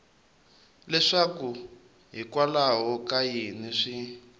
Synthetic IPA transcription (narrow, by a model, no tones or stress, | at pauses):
lɛʂaku | ɦikwalaɦɔkajiniʂi